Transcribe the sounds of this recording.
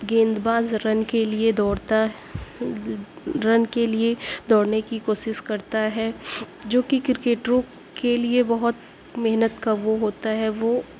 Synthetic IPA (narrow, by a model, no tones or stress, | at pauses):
ɡẽːnd̪baːzɾɐnkelied̪ɔːɽt̪a | ɾɐnkelied̪ɔːɽnekikoːʃɪʃkɐɾt̪aɦɛd͡ʒoːkikɾɪkeːʈɾõ | keliebɐɦʊt̪ | mɛɦnət̪kaʋoɦoːt̪aɦɛʋoː